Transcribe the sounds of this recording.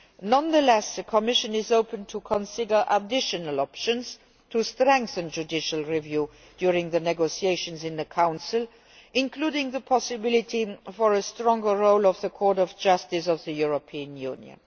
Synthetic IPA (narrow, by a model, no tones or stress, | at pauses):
nʌ̃nðəlɛsðəkʰəmɪʃə̃nɪzoʊpə̃ntʰukʰə̃nsɪdə˞ʔədɪʃənəlɔpʃə̃nz̥ | tʰustɹɛ̃ŋkθə̃nd͡ʒudɪʃəlˠɹivju | d̥jʊɹɪ̃ŋðənɛɡosieɪʃə̃nzɪ̃nðəkʰãʊ̃nsɪl | ʔɪ̃nkʰluːdɪ̃ŋðəpʰɔsɪbɪlɪtʰifɔɹəstɹɔ̃ŋɡəɹoʊlɔvðəkʰɔɹɾɔvd͡ʒʌstɪs̬ʌvðəjuɹəpʰiə̃njṵ̃njə̰̃n